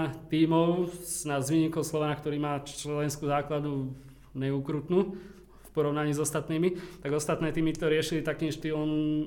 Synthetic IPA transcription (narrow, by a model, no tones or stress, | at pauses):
t̪iːmɔʊznazʋiɲiːkɔʊslɔʋanakt̪ɔɾiːmaːt͡ʃlɛnskuːzaːklad̪u | ɲɛuːkɾut̪nuː | fpɔɾɔʊnaɲiːzɔst̪at̪niːmit̪aɡɔst̪at̪nɛːt̪iːmit̪ɔɾɪɛʃilit̪akiːnʃt̪iːɔm